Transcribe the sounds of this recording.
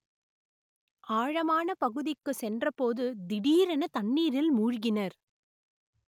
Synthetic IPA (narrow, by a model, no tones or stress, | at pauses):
aːɻɐmaːnɐpɐɣɯðɪkːɯsɛndrɐpoːðɯd̪ɪɽiːɾɛnɐt̪ɐɳːiːɾɪlmuːɻɣɪnɐɾ